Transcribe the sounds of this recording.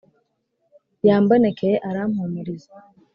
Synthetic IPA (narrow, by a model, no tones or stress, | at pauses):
jaːmbonekʰejeʔaɾam̥humiɾiza